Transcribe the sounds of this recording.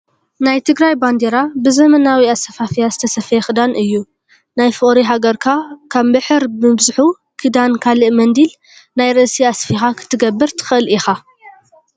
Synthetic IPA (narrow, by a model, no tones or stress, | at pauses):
najt̪ʰɨɡɾajband̪eɾabɨzɐmɐnawiasɐfafijazɨt̪ʰɐsɐfjexɨd̪anʔɨjːu | najfɨʔʼɾiɦaɡɐɾkʰakʰaβbɨħɨɾbmɨbzɨħu | kʰɨd̪ankʰalɨʔmɐnd̪il | najɾɐʔsiasfixakʰɨ̥t̪ʰːɨɡɐbːɨɾt̪ʰɨ̥xɨʔɨlʔixa